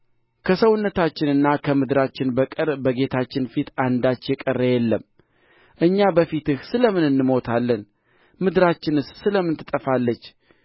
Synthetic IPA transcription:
kʰəsəwʊnːət̪ʰat͡ʃːɪnɨnːakʰəmɨd̪ɨɾat͡ʃːɪnbəkʼɨɾbəɡe̞t̪ʰat͡ʃːɪnfit̪and̪at͡ʃːjɛkʼərːəjɛlːəm | ʔɨɲːabəfit̪ɨhsɨləmɨnɨnːɨmo̞t̪ʰalːən | mɨd̪ɾat͡ʃːɪnɨssɨləmɨnt̪ʰɨt̪ʼəfalːət͡ʃː

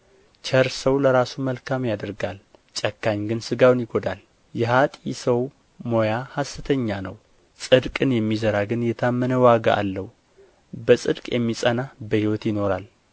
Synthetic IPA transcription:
t͡ʃʰəɾsəwləɾasuməlkʰamjad̪əɾɡalt͡ʃʼɛkːaɲɡɨnsɨɡawnjɪɡod̪al | jɛhat̪ʼisəw | mo̞jahasːɨt̪ʰəɲːanəw | sʼɨd̪kʼɨnjɛmːizəɾaɡɨnjɛt̪ʰamːənəwaɡa̰ʔa̰lːəhu | bəsʼɨd̪kʼjɛmːisʼənabəhiwɔt̪jɪno̞ɾal

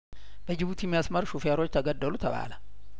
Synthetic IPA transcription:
b̥əd͡ʒɪβut̪ʰimːijasmɐɾʃufjaɾo̞t͡ʃːt̪ʰəɡəd̪ːəlut̪ʰɐβa̰ːlə

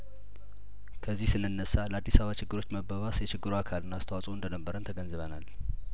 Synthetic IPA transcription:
kʰəzːihsɨnːɨnːəsːaləad̪ːisaβat͡ʃɪɡːɨɾo̞t͡ʃːməbəβasjɛt͡ʃɪɡːɨɾuakʰalɨnːaːst̪ʰəwasʼoɨnd̪ənəbːəɾənt̪ʰəɡənzɨβənal

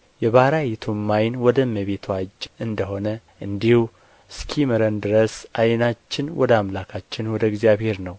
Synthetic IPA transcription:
jɛβaɾajɛt̪ʰumːajnwɔd̪əməβet̪ʰad͡ʒɨnd̪əɦo̞nə | ʔɨnd̪ihu | skʰiməɾənd̪ɨɾəsʔajnat͡ʃːɪnwʔɔ̰d̪əamlakʰat͡ʃːɪnwɔd̪əɡzijaβhe̞ɾnəw

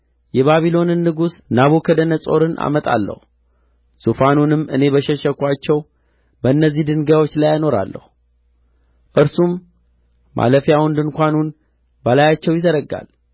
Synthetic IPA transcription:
jɛβaβilo̞nɨnːɨɡusnaβukʰəd̪ənəsʼo̞ɾɨnʔa̰mət̪ʼa̰lːə̰hu | sufanunɨmːʔɨne̞bəʃɛʃɛkʷat͡ʃːɛw | bəɨnːəzːihd̪ɨŋɡawo̞t͡ʃːlajno̞ɾa̰lːə̰hu | ʔɨɾsumː | ʔa̰ləfijawund̪ɨŋkʷanun | bəlajat͡ʃːɛwjɪzəɾəɡa̰l

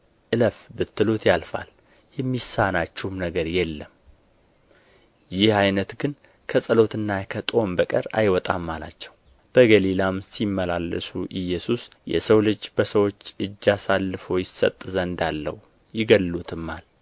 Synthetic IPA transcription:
ʔɨləfbɨt̪ːɨlot̪jalfa̰l | jɛmːisanat͡ʃːɛhmnəɡəɾjɛlːəm | jɪhajnət̪ɡɨn | kʰəsʼəlo̞t̪ʰɨnːakʰət̪ʼo̞mbəkʼə̰ɾa̰jwɔt̪ʼamːala̰t͡ʃːɛw | b̥əɡəlilamsimːəlalːə̰suʔɨjɛsusjɛ̰səwlɨd͡ʒːbəsəwo̞t͡ʃːɨd͡ʒːasalːɨfo̞jɪsə̰t̪ʼːɨzəɨnd̪alːə̰wu | jɪɡəlːut̪ʰɨmːal

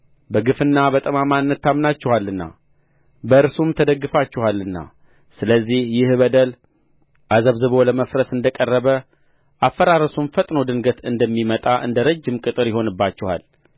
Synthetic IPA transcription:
bəɡɨfɨnːabət̪ʼəmamanːət̪ːamnat͡ʃːɛhalːɨnːa̰ | bəɨɾsumt̪ʰəd̪əɡːɨfat͡ʃːɛhalːɨnːa̰ | sɨləzːihjɪhbəd̪əl | ʔazəβzɨβo̞ləməfɾəsɨnd̪əkʼərːəβə | ʔafːəɾaɾəsumfət̪ʼnod̪ɨnɡət̪ɨnd̪əmːimət̪ʼaʔɨ̰nd̪əɾəd͡ʒːɪmkʼɨt̪ʼɨɾjɪho̞nɨbːat͡ʃːɛha̰l

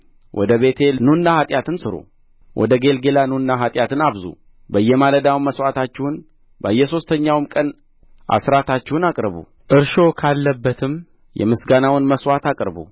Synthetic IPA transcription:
wʔɔ̰d̪əβe̞t̪ʰe̞nunːahat̪ʼjat̪ʰɨnsɨɾo̰ | wʔɔ̰d̪əɡe̞lɡelanunːaɦat̪ʼjat̪ʰɨnaβzṵ | bəjːɛmaləd̪awnməswat̪at͡ʃːɛhʊn | bəjːɛso̞st̪ʰəɲːawmkʼən | ʔa̰sɾat̪ʰat͡ʃːɛhʊnakʼɾəβṵ | ʔɨɾʃo̞kʰalːəbːət̪ʰɨm | jɛ̰mɨsɡanawɨnməswat̪akʼɾbṵ

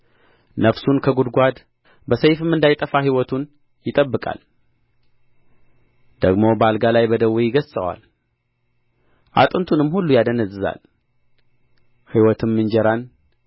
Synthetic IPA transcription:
nəfsunkʰəɡud̪ɡʷad̪ | bəsəjfɨmɨnd̪ajt̪ʼəfaɦiwɔt̪ʰun | jɪt̪ʼəbːɨkʼa̰l | d̪̥əɡmo̞bəalɡalajbəd̪əwːijɪɡəzsʼə̰wa̰l | ʔa̰t̪ʼɨnt̪ʰunɨmːhulːujad̪ənəzːɨza̰l | hiwɔt̪ʰɨmːɨnd͡ʒɛɾan

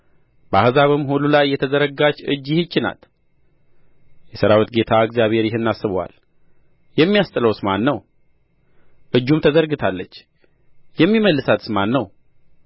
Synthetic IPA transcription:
b̥əa̰hɨzaβɨmhululajːɛt̪ʰəzəɾəɡat͡ʃːɨ̰d͡ʒɪhɨt͡ʃːɪna̰t̪ | jɛsəɾawit̪ɡe̞t̪ʰaɨɡzijaβhe̞ɾjɪɦɨnːasːɨβəwa̰l | jɛmːijast̪ʼɨləwsmanːəw | ʔɨd͡ʒːumt̪ʰəzəɾɡɨt̪ʰalːət͡ʃː | jɛmːiməlːɨsat̪smanːəw

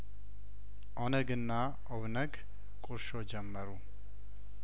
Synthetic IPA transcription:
ʔonəɡɨnːa | ʔoβnəɡ | kʼʊɾʃod͡ʒɛmːəɾu

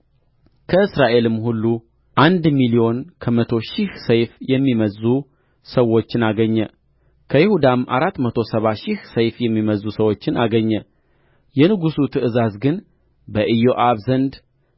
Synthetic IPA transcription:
kʰəɨsɾaʔe̞lɨmhulːu | ʔand̪milijo̞nkʰəmət̪ʰo̞ʃɪhsəjfjɛmːiməzːu | səwot͡ʃːɪnaɡəɲːə | kʰəjɪhud̪amʔa̰ɾat̪ːmət̪ʰo̞səβaʃɪhsəjfjɛmːiməzːusəwo̞t͡ʃːɪnaɡəɲːə | jɛnɨɡusut̪ʰɨʔɨzazɡɨn | bəʔɨjoʔaβzənd̪

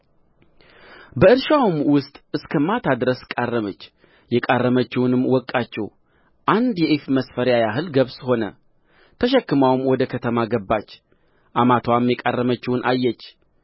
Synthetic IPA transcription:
bəɨɾʃawmwʊst̪ʼʔɨskʰəmat̪ʰad̪ɾəskʼarːəmət͡ʃː | jɛkʼarːəmət͡ʃːɪwʊnɨmːwɔkʼːat͡ʃːɛw | ʔand̪jɛʔefməsfəɾjajaɦɨlɡəβsho̞nə̰ | t̪ʰəʃɛkːɨmawmwɔd̪əkʰət̪ʰəmaɡəbːat͡ʃː | ʔamat̪ʰwamjɛkʼarːəmət͡ʃːɪwʊnʔa̰jːɛt͡ʃː

